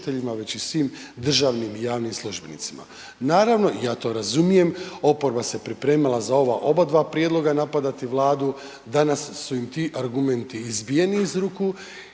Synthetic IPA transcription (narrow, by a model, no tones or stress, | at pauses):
t̪e̞ʎimaʋe̞t͡ɕisʋiːm | d̪r̩ʒaːʋnimijaːʋnimslˠuʒbe̞nit̪sima̰ | naːɾaʋno̞ijaːt̪o̞ːɾazumije̞mo̞po̞ɾbase̞pɾipɾe̞ːmilˠazao̞ʋaʔo̞bad̪ʋaːpɾije̞d̪lo̞ɡanapad̪at̪iʋlˠaːd̪u | d̪anasːuimt̪iʔaɾɡume̞nt̪iːzbije̞niizɾuku